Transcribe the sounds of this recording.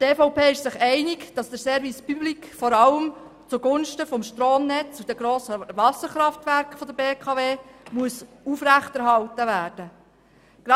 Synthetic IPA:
teːfɔʊpʰeːɪʃsɪχɛɪnɪkd̥ɑsd̥əɾsɛːɾvispyblikfɔɾɑləm | t͡suɡʊnʃtəfɔmʃtroːmnɛt͡sud̥̪əɡɾoːsəʋɑsːəχɾɑftʋæɾkχfɔd̥̪əbeːkʰɑveːmuəs | ufɾæχtɛɾɦɑltəʋæːɾd̥ə | ɡ̥ɾɑ

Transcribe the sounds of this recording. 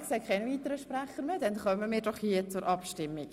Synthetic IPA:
kseːkʰχɛnəviːt̪əɾəʃpɾæχəɾmedɛnχœməmiːɾdɔχhiət͡sʊɾʔɑpʃtɪmːiɡ

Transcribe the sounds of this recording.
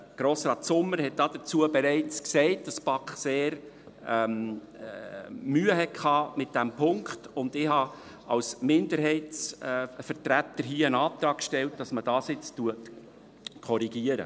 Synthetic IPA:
ɡ̥ɾoːsɾɑːtsʊmːəɾɦɛt̚d̥ɑːd̥ət͡suəbɛɾɛɪt͡sksɛɪt̚d̥ɑspɑkχseːɾ | ɛm | myːəɦɛkʰɑːmɪt̚d̥æmpʰʊŋkχtʊndɪhɑ | ʔɑ̰lsmɪndəɾɦɛɪtsfəɾtɾætːəɾɦiːəənɑːt̪ɾɑːkʃtɛlt̚d̥ɑsməd̥ɑːsɪt͡stuət | kʰɔɾiɡ̥iəɾə̰

